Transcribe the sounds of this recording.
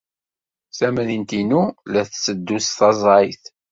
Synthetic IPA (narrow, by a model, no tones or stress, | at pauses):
sæmæðint̪inulæθsəd̪ːusθɑzˤɑjθ